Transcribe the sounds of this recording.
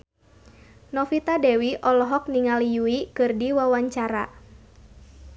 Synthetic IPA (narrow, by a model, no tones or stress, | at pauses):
nɔfit̪adɛwiʔɔlɔɦɔk̚niŋalijuikɨrdiwawaɲt͡ʃaɾa̰